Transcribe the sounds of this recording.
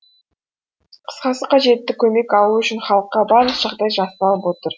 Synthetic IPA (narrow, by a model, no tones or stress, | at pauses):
qʰə̥sqɑsəqʰɑʒe̞t̪ːɪkʲʰɵme̞kɑlˠuʏʃɪnχɑlˠəqːɑbɑɾlˠəqʒ̥ɑʁd̪ɑjʒɑsənɑlˠəpwo̞t̪əɾ